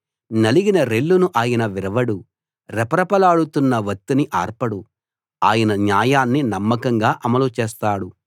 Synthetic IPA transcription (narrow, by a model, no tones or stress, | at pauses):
nɐliɡinɐɾe̞lːunuʔaːjɐnɐʋiɾɐʋɐɽu | ɾɛpɐɾɐpɐlaːɽut̪unːɐʋɐt̪ːuniʔaːɾpɐɽu | aːjɐnɐnjaːjaːnːinɐmːɐkɐŋɡaːʔɐmɐlut͡ʃɛːst̪aːɽu